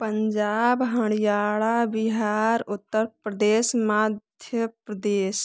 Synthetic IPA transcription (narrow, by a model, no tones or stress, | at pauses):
pəɲd͡ʒaːbɦəɽ̃ijaːɭabɪɦaːɾʊt̪ːəɾpɾəd̪eːsmaːd̪ʱjəpɾəd̪eːs